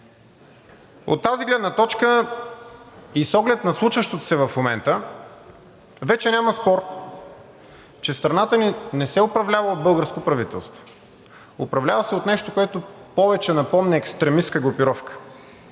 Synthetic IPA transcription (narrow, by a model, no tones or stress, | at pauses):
o̰t̪ːaziɡlɛd̪nət̪ɔt͡ʃkə | isɔɡlɛt̪nɐslˠuʃvəʃt̪ot̪o̥sɛvɐfmomɛnt̪ə | vɛt͡ʃɛnʲamɐspɔɾ | t͡ʃɛst̪ɾɐnat̪əninɛsɛopɾɐvlʲavəod̪̚bɤlˠɡəɾskopɾɐvit̪ɛlˠst̪vo̥ | oʊpɾɐvlʲavəsɛot̪nɛʃt̪okoɛt̪opɔvɛt͡ʃɛnɐpɔmnɛːkst̪ɾɛmiskəɡɾʊpiɾɔfkə̥